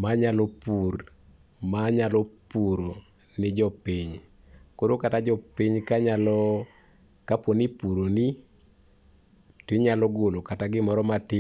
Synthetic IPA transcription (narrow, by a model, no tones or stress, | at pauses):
maɲalɔpur | maɲalɔpuɾo | nɪd͡ʒɔpiɲ | koɾokatad͡ʒɔpiɲkaɲalɔ | kapwonipuɾoni | tɪɲalɔɡolokataɡɪmɔɾɔmatɪ